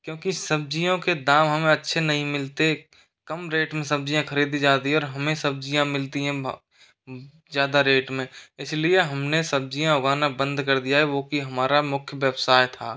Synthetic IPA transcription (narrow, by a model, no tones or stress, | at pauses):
kjõːkisɐb̚d͡ʒijõked̪aːmɦɐmẽɐtːʃʰenɐɦĩmɪlt̪e | kɐmɾeːʈmẽsɐb̚d͡ʒijãkʰəɾiːd̪id͡ʒaːt̪iɦɛɔːɾɦɐmẽsɐb̚d͡ʒijãmɪlt̪iɦɛ̃ | zjaːd̪aɾeːʈmẽɪslieɦɐmnesɐb̚d͡ʒijãʊɡaːnabə̃nd̪kɐɾd̪ijaɦɛʋoːkiɦɐmaːɾamʊkʰjəʋeːbsaːjt̪ʰaː